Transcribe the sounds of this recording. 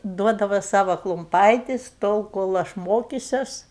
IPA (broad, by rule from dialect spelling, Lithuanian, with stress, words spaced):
ˈduɔdɐʋɐ ˈsɑːʋɐ klˠʊmˈpɐɪtʲɪs ˈtoːlˠ koːlˠ ˈɐʃ ˈmoːkʲɪsʲɛs